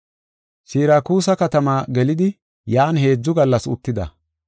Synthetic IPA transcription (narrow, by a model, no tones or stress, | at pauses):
siːɾaːkuːsɐkɐt̪ɐmaːɡɛlɪd̪ɪ | jaːnɦe̞ːd͡zːʊɡɐlːɐsʊt̪ːɪd̪ɐ̰